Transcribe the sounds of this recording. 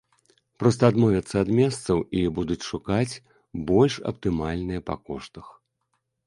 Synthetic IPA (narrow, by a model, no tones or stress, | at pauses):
pɾɔs̬t̪ɐːd̪mɔvʲɐt̪sːɐːd̪mʲɛst̪sɐwibud̪ut͡sʲʂukat͡sʲ | bɔlʲʂɐ̰pt̪ɨmalʲnɨjɐpɐ̰kɔʂt̪ɐx